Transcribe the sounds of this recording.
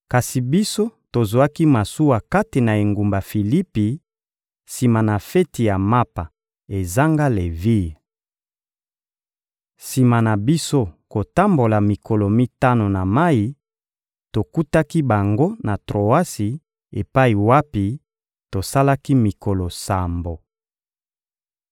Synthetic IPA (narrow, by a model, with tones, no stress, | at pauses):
ka˨si˨bi˦so˦to˨zwa˦ki˦ma˨su˦wa˨ka˦te˨na˨e˨ŋɡu˨mba˨fi˨li˦pi˨ | si˨ma˨na˨fɛ˦ti˨ja˨ma˦pa˨ | e˨za˦ŋɡa˦le˨vi˦˨ | si˨ma˨na˨bi˦so˦ko˨ta˦mbo˨la˨mi˨ko˨lo˨mi˦ta˦no˨na˨ma˦i˨ | to˨ku˦ta˦ki˦ba˨ŋɡo˦na˨tʁo˨a˦si˨ | e˨pa˦i˨wa˦pi˨ | to˨sa˦la˦ki˦mi˨ko˨lo˨sa˨mbo˨